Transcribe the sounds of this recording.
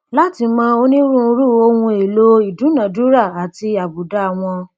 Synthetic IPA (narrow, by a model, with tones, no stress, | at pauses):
la˦ti˧mãː˦o˧nĩ˦ɾũ˦˨˧ɾu˦˨o˧hũ˧e˨lo˦i˨dũ˨˦nã˨du˨˦ɾa˦˨a˨ti˧a˨bu˨da˦˨w̃ɔ̃˧